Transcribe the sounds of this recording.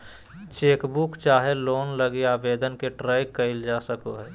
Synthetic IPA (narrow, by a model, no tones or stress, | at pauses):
t͡ʃeːkbukt͡ʃaːɦeloːnləɡiaːbeːd̪ənkeʈɾaːɪkːəɪld͡ʒasəkoɦɛː